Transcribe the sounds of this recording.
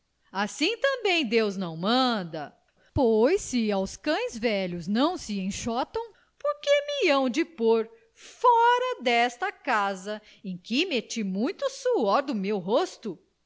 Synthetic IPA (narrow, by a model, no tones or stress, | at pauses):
asĩt̪ɐ̃bẽj̃d̪ewznɐ̃w̃mɐ̃d̪ɐ̰ | pojsɪawskɐ̃j̃zvɛʎʊznɐ̃w̃sɪẽj̃ʃɔt̪ɐ̃w̃ | poɾkemɪɐ̃w̃d͡ʒɪpoɾ | fɔɾɐd̪ɛst̪ɐkazɐ | ẽj̃kɪmet͡ʃimũj̃t̪ʊsuɔɾd̪ʊmewɦost̪ʊ